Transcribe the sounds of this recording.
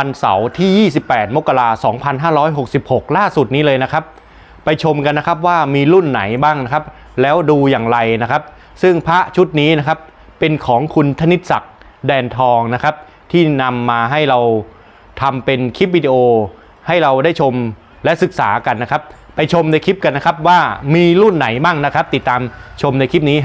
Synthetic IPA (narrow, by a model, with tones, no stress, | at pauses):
a˧nsa̰˩˦wt̪ʰiː˥˩jiː˥˩si˨˩pːɛː˨˩t̪̚mo˦˥kːa˧laː˧sɔː˩˦ŋpʰa˧nɦaː˥˩ɾɔː˦˥jɦo˨˩k̚si˨˩p̚ho˨˩k̚laː˥˩su˨˩t̪̚niː˦˥lɤː˧jna˦˥kʰa˦˥p̚ | pa˧jt͡ɕʰo˧mka˧nːa˦˥kʰa˦˥p̚waː˥˩miː˧lu˥˩nːa˩˦jbaː˥˩ŋna˦˥kʰa˦˥p̚ | lɛː˦˥wduː˧jaː˨˩ŋɾa˧jna˦˥kʰa˦˥p̚ | sɯ˥˩ŋpʰa˦˥ʔt͡ɕʰu˦˥t̪̚niː˦˥na˦˥kʰa˦˥p̚ː | e˧nkʰɔː˩˦ŋkʰu˧nt̪ʰa˦˥ni˦˥t̪̚sa̰˨˩k̚ | dɛː˧nt̪ʰɔː˧ŋna˦˥kʰa˦˥p̚ | t̪ʰiː˥˩na˧mːaː˧ɦa˥˩jɾa˧w | t̪ʰa˧mpe˧nkʰi˦˥p̚wiː˧di˧ʔoː˧ | ha˥˩jɾa˧wdaː˥˩jt͡ɕʰo˧m | lɛ˦˥sɯ˨˩k̚sa̰ː˩˦ka˧nːa˦˥kʰa˦˥p̚ːa˧jt͡ɕʰo˧mda˧jkʰi˦˥p̚ka˧nːa˦˥kʰa˦˥p̚waː˥˩miː˧lu˥˩nːa˩˦jbaː˥˩ŋna˦˥kʰa˦˥p̚t̪i˨˩t̪ːaː˧mt͡ɕʰo˧mda˧jkʰi˦˥p̚niː˦˥